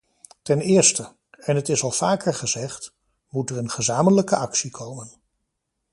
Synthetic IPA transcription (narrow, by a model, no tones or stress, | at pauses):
tɛnɪːɹstə | ɛnɦətɪsɑlˠv̥aːkəɹχəzɛχt | mutəɹənχəzaːmənləkəʔɑksikʰowmən